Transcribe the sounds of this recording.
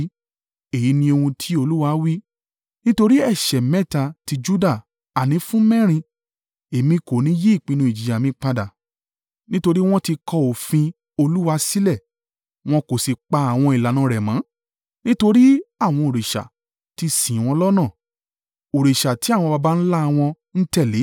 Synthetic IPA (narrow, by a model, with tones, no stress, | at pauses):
e˨ji˨˦nĩ˧o˧ũ˧tʰi˨˦o˧lu˦wa˧˦wi˦ | nĩ˦to˧ɾi˦ɛ˦˨ʃɛ˨mɛ̃˦˨ta˧ti˧d͡ʒu˦da˦˨ | a˨nĩ˨˦fũ˦mɛ̃˦˨ɾ̃ĩ˧ | e˨mĩ˧ko˨nĩ˨˦je˦i˦˨k͡pĩ˧nũ˧i˨d͡ʒi˨ja˨mĩ˧˦k͡pa˧da˨ | nĩ˦to˧ɾi˦w̃ɔ̃˦ti˧kɔ˧o˨fĩ˧ | o˧lu˦wa˧si˦lɛ˦˨ | w̃ɔ̃˧ko˨si˨k͡pa˧a˨w̃ɔ̃˧i˨la˨nã˨˦ɾɛ˨mã˨˦ | nĩ˦to˧ɾi˦a˦˨w̃ɔ̃˧o˨ɾe˨ʃa̰˨ | ti˧sĩ˨w̃ɔ̃˧lɔ˦nã˦˨ | o˨ɾe˨ʃa˨ti˨˦a˦˨w̃ɔ̃˧ba˧ba˦n̩˦la˦˧w̃ɔ̃˧ | n̩˦tɛ˦˨le˨˦